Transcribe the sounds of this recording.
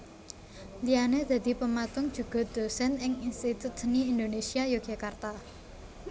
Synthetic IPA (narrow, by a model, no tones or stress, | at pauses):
lijaned̪̥ä̤d̪̥i̤pəmat̪ʊŋd̥ʒ̥ṳɡ̥ɔ̤d̪̥o̤sɛnɪŋinst̪it̪ut̪̚niind̪onesiajoɡ̥akart̪a